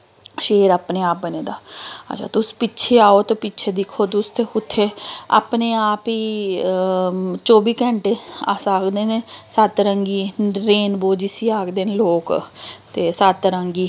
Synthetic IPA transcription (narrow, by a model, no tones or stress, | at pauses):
ʃeːɾaːpneːaːp̚bəneːd̪aːə̰t͡ʃʰa̰ːt̪ʊsi̥ːpɪtːt͡ʃʰeːaːoːt̪epɪtːt͡ʃʰeːd̪ɪkʰːoːt̪ʊst̪ʰeːʊt̪ʰːeːa̰ːpneːaːpiː | t͡ʃoːbiːkɛ̃ɳʈea̰ːsaːkd̪eːneːsət̪ɾəŋɡiːɾeːnboːd͡ʒiːsiːaːkd̪eːneːloːkt̪eːsət̪ɾəŋɡiː